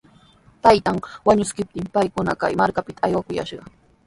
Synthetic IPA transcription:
t̪ajt̪aŋwaɲʊskɪp̚t̪ɪmpajkʊna̰ka̰jmaɾkapɪt̪ʰaːjwakʊja̰ʃɢɑ

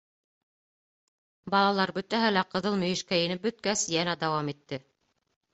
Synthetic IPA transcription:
bɑlˠɑlˠɑɾbɵ̆t̪æɦælæqɤ̆ðɤlˠmɵ̆jɘ̆ʃkæɘ̆nɘp̚bɵ̆t̪̚kæsjænæd̪ɑwɑmit̪ːɘ

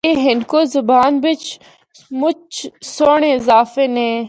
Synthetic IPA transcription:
eːɦɪnkoːzʊbaːnbɪt͡ʃ | mʊt͡ʃsoːɳ̃eɪzaːfeːnẽː

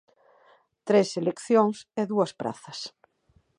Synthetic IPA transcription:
t̪ɾeselekθjoŋseðuɐspɾa̰θɐs

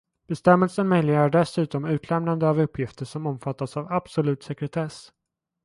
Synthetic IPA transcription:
b̥ɛst̪ɛmːɛlsənmœjlɪɡaɾɖɛsʉ̟ːt̪ɔmʉ̟ːt̪ʰlɛmnand̪əavɵpʰːjɪft̪əʂɔmɔmfat̪ːasavab̥sɔlʉ̟ːt̪sɛkɾɛt̪ʰɛs

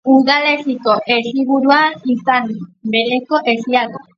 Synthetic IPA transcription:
uɾɣale̞siko̞ʔesiβuɾuanisanbe̞ɾeko̞ʔe̞siaɣo

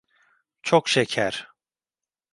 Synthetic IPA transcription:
t͡ʃʰokʃecʰæɾ̥

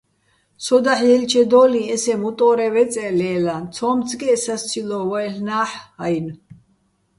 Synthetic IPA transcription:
sɔd̪aħjɛlt͡ʃʰɛd̪ɔːliɛsɛmut̪ʼɔːɾɛvɛt͡sʼɛlɛːlant͡sʰɔːmt͡sʰʼɡɛːsast͡sʰilɔvɔɛɬnaːħajn

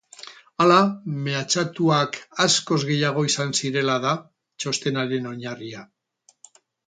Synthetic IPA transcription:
alame̞at͡ʃat̪uakasko̞zɣe̞jaɣ̞o̞isansiɾe̞lað̞a | t͡ʃo̞st̪e̞naɾe̞no̞ɲaria

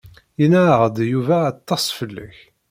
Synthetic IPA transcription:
jinæʕʁəd̪juvæːt̪ˤːɑsˤfəlːə̰ç

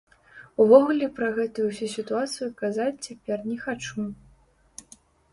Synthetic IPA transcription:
uvɔɣulʲɛpɾɐɣɛt̪ujusʲusʲit̪uat̪sɨjukazat͡sʲt͡sʲapʲɛrnʲɛxat͡ʂu

